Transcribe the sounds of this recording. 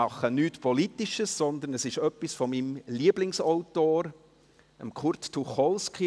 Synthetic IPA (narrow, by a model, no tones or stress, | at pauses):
ɑχənyːtpʰɔlitiʃəssɔnd̪ənəsɪʃœpːisfɔmimliəblɪŋsɔʊtoːɾ | əmkχʊɾttuχɔlski